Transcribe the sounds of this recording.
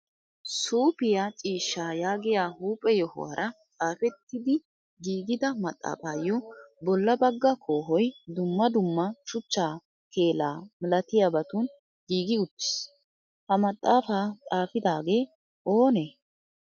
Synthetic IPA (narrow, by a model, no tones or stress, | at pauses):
suːpɪjat͡ʃʼiːʃːaːjaːɡɪjaːhuːpʼːɛjɔhʊ̰wa̰ɾʔɐt͡sʼaːfɛt̪ːɪd̪ɪ | ɡiːɡɪd̪ɐmɐt̪ʼːa̰ːfaːjɔbɔlːɐbɐɡːɐkʰo̞ːɦɔjd̪ʊmːɐd̪ʊmːɐt͡ʃʊt͡ʃːaː | ke̞ːla̰ːmɪlɐt̪ɪjaːbɐt̪uːn | ɡiːɡɪʊt̪ːɪ̥s | hɐmɐt̪ʼːaːfaːt͡sʼaːfɪd̪aːɡe̞ː | ʔo̞ːne